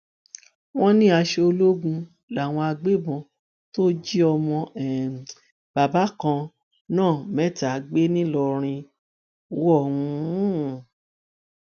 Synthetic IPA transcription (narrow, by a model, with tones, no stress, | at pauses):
w̃ɔ̃˦nĩ˦a˧ʃe˧o˧lo˦ɡũ˧ | la˨w̃ɔ̃˧a˧ɡ͡be˦bɔ̃˧ | to˦d͡ʒi˦ɔ˧mɔ̃˧ɛ˨ | b̥a˨ba˨˦kã˧ | nãː˦˨mɛ˦ta˨˦ɡ͡be˦nĩ˦lɔ˧ɾ̃ĩ˧˦ | wɔ˦˨ũ˧˦